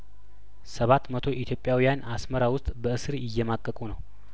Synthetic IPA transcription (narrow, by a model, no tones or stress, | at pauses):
səβat̪mət̪ʰo̞ʔit̪ʰjo̞pʼːjawijanasməɾawʊst̪ʼbəɨsɨɾjɪjːɛmakʼːəkʼunəw